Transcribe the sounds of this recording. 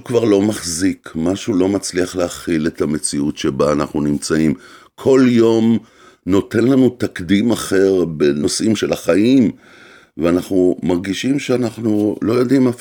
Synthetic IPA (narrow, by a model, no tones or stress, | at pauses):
ukvaʁlo̞maχzikmaʃulo̞mat͡sliaχleaχile̞t̪ame̞t͡siutʃebaːnaχnunimt͡saim | kʰo̞ljo̞m | no̞te̞nlanut̪akdimaχe̞ʁbenosʔimʃelaχaim | veanaχnumaʁɡiʃimʃeanaχnulo̞jo̞dimaf